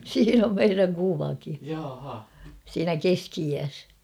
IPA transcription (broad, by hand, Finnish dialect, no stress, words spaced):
siːn om meiræŋ kuʋɑki siːnæ keskiiæs